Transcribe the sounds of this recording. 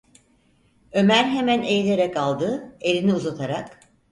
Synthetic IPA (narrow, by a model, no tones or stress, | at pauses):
ø̞mæɾɦe̞mænejlʲe̞ɾɛkalˠd̪ɯe̞lʲiniuzat̪ʰaɾak